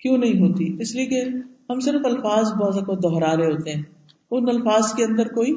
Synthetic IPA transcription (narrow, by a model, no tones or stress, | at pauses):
kjõːnɐɦĩɦoːt̪iɪsliekeɦɐmsɪɾfɐlfaːzbɔːt̪ɐkod̪ɔːɦɾaːɾeɦoːt̪eɦɛ̃ː | ʊnɐlfaːzkeɐ̃nd̪əɾkoːiː